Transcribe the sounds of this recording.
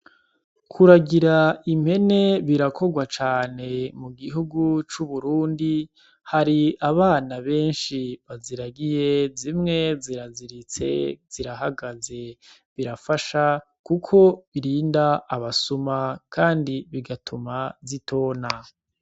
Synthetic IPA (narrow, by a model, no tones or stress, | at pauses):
kʰuɾaɡiɾaim̥he̞ne̞βiɾakʰo̞ɡwat͡ʃaːne̞muɡiɦuɡut͡ʃuβuɾuːndi | haɾiaβaːnaβe̞ːnʃiβaziɾaɡije̞zimŋe̞ziɾaziɾit͡se̞̰z̥iɾaɦaɡaze̞ | βiɾafaʃa | kukʰo̞βiɾiːndaːβasumakʰaːndiβiɡatʰumazitʰo̞ːna